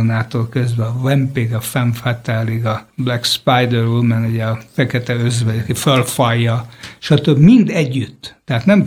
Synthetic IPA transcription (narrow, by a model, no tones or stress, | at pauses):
naːt̪oːlkøzbɛɒvɛmpeɡɒfɛɱfɛt̪ɛliɡɒblɛkspajd̪ɛɾulmɛnuɟɛɒfɛkɛt̪ɛøzʋɛjɒkifølfɒjːɒʃɒt̪øbmind̪ɛɟːyt̪ːɛɦaːt̪nɛm